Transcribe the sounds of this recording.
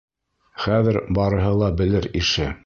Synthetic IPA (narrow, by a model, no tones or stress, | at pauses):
χæðɘ̆ɾbɑɾɤ̆ɦɤlˠɑbɘ̆lɘɾiʃɘ